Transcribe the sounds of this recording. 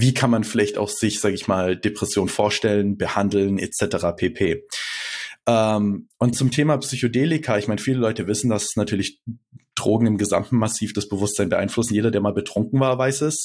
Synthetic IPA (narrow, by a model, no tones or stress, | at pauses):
viːkʰanmanfɪlaɪçta̰ʊxz̥ɪçz̥aːɡəɪçmaːld̥epʁ̥ɛsjoːnfoːɐʃtɛlənbəhandl̩nɛ̰t͡sɛtəʁapʰeːpʰeː | ʔɛːmʔʊnt̚t͡sʊmtʰeːmaːpsyçodeːlɪkʰaɪçmaɪnəfiːləlɔʏtəvɪsn̩dasnatʰyːɐlɪçd̥ʁoːɡŋ̩ɪmɡəza̰mtn̩masiːfd̥asb̥əvʊstz̥aɪnbəʔa̰ɪnflʊsn̩jeːdɐdeːɐmaːlbətʁ̥ʊŋkŋ̩vaːɐvaɪsɛs